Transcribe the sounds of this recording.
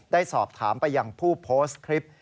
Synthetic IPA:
daː˥˩jsɔː˨˩p̚t̪ʰaː˩˦mpa˧jːa˧ŋpʰuː˥˩pʰoː˦˥skʰɾi˦˥p̚

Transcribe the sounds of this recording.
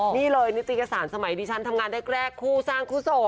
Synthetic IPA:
niː˥˩lɤː˧jni˦˥t̪ːi˧˨ka˧saː˩˦nsa˧ma˩˦jdiː˧t͡ɕʰa˦˥nt̪ʰa˧mŋaː˧nɾe˦˥˩k̚ɾɛː˥˩kʰːuː˥˩saː˥˩ŋkʰuː˥˩so˨˩

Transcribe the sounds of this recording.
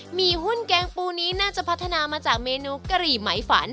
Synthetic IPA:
miː˧ɦu˥˩nkɛː˧ŋpuː˧niː˦˥naː˥˩t͡ɕa˨˩ʔpʰt̪ʰːa˧naː˧maː˧t͡ɕaː˨˩k̚meː˧nuː˧ka˧ɾiː˨˩ma˩˦jfa̰ː˩˦n

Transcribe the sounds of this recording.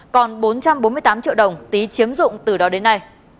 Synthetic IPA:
kɔ˨˩nɓo˨˦nt͡ɕa˧mɓo˨˦nmɨ˧ət̪ːmt͡ɕḭ˧˨ɗə˨˩wŋ͡mt̪i˨˦t͡ɕi˨˦əmzʊ̰˧˨ŋ͡mt̪ɨ˨˩ɗɔ˨˦ɗe˨˦nːa˧j

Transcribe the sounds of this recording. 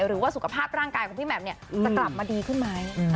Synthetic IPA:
ɾɯː˩˦waː˥˩su˨˩kʰa˧pʰaː˥˩p̚ɾaː˥˩ŋkaː˧jkʰɔː˨˩˦piː˥˩mɛ˨˦˩p̚ni˥ɐt͡ɕːa˧kla˨˩p̚maː˧diː˧kʰɯ˥˩nmaː˦˥˩

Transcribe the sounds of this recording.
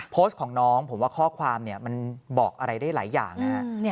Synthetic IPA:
pʰoː˦˥s̚kʰɔː˩˦ŋnɔː˦˥ŋpʰo˩˦mwaː˥˩kʰɔː˥˩kʰwaː˧mni˥˩ɐma˧nbɔː˨˩k̚ʔa˧ɾa˧jdaː˥˩jla̰ː˩˦jːa̰ː˨˩ŋna˦˥ha˦˥

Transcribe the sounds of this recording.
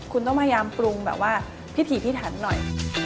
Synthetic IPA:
kʰu˧nt̪ɔ˥˩ŋmaː˥˩jaː˧mpɾu˧ŋbɛ̰ː˨˩p̚waː˥˩ | pʰi˦˥t̪ʰiː˨˦pʰiː˥˩t̪ʰa˩˦nːɔ̰˨˩j

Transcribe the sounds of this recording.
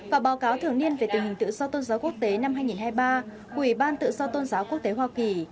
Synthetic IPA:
vaː˨˩ɓaː˨˦wkaː˨˦wt̪ʰɨ˨˩əŋni˧ənve˨˩t̪ï˨˩ŋ̟hï˨˩ŋ̟t̪ɨ̰˧˨zɔ˧t̪o˧nzaː˨˦ku˦˥ək̚t̪e˨˦na˧mɦaː˧jŋi˨˩nhaː˧jɓaː˧ | kwi˧˩ɓaː˧nt̪ɨ̰˧˨zɔ˧t̪o˧nzaː˨˦wku˦˥ək̚t̪e˨˦hwaː˧ki˨˩

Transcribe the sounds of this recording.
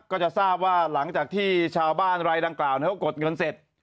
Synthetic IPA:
kɔː˥˩t͡ɕa˨˩saː˥˩p̚waː˥˩la˩˦ŋt͡ɕaː˨˩k̚t̪ʰiː˥˩t͡ɕʰaː˧wbaː˥˩nɾa˧jda˧ŋklaː˨˩wnː˧˥˩ka˥˩ko˨˩t̪̚ŋɤ˧nse˨˩t̪̚

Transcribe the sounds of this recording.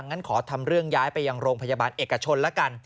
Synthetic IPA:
ŋːa˦˥nkʰɔː˩˦t̪ʰa˧mɾɯ˥˩əŋjaː˦˥jpa˧jːa˧ŋɾoː˧ŋpʰa˧jaː˧baː˧nʔeː˨˩kːa˧t͡ɕʰo˧nlɛ˦˥ka˧n

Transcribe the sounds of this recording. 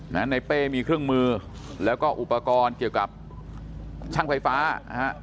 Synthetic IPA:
na˦˥na˧jpeː˥˩miː˧kʰɾɯ˥˩əŋmɯː˧lɛː˦˥wkɔː˥˩ʔu˨˩pa˧kɔː˧nki˨˩əwka˨˩p̚ | t͡ɕʰaː˥˩ŋfa˧jfaː˦˥˧ha˦˥ʔ

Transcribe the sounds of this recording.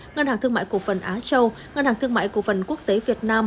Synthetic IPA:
ŋə˧nhaː˨˩t̪ɨ˧əŋma̰ː˧˨jku˧˩fə˨˩nʔaː˨˦t͡ɕə˧w | ŋə˧nhaː˨˩ŋt̪ɨ˧əŋma̰ː˧˨jku˧˩əfə˨˩nku˦˥ək̚t̪e˨˦vi˨˩ət̚naː˧m

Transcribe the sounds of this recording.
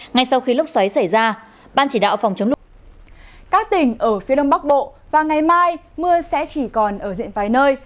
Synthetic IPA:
ŋa˧jsa˧wxi˧lʊ˦˥k͡p̚swa˨˦jsa˧˩jzaː˧ | ɓaː˧nt͡ɕi˧˩ɗa̰ː˧˨wfwŋ͡mt͡ɕə˨˦ŋ͡mlʊ˨˩ | kaː˦˥k̚t̪ï˧˩ŋ̟ʔəː˧˩fi˨˦ɗə˧wŋ͡mɓa˦˥k̚ɓo̰˧˨vaː˨˩ŋa˨˩jmaː˧j | mɨ˧əsɛ̰˧˥t͡ɕi˧˩kɔ˨˩nʔəː˧˩zḭ˧˨ənvaː˨˩jnəː˧j

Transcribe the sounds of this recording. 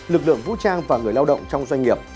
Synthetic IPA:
lɨ˨˩k̚lɨ̰˧˨əŋvṵ˧˥t͡ɕaː˧ŋvaː˨˩ŋɨ˨˩əjlaː˧wɗə̰˧˨wŋ͡mt͡ɕɔ˧wŋ͡mzwa˧jŋ̟ŋi˨˩əp̚

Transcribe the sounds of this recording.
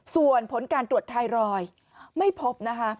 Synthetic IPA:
su˨˩ənpʰo˩˦nkaː˧nt̪ɾu˨˩ət̪t̪ʰːa˧jɾɔː˧j | ma˥˩jpʰo˦˥p̚na˦˥kʰa˦˥ʔ

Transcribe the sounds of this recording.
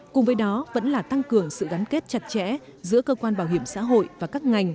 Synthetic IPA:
kʊ˨˩ŋ͡mvəː˨˦jɗɔ˨˦və̰˧˥nlaː˨˩t̪a˧ŋkɨ˨˩əŋsɨ̰˧˨ɣa˨˦nke˦˥t̚t͡ɕa˨˩t̚t͡ɕɛ̰˧˥ | zɨ̰˧˥əkəː˧kwaː˧nɓaː˧˩wɦi˧˩əmsa̰ː˧˥ɦo̰˧˨jvaː˨˩kaː˦˥k̚ŋa˨˩jŋ̟

